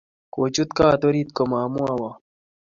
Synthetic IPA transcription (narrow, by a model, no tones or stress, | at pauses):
koːt͡ɕut̪kaːt̪oɾit̪̚komaːmuawa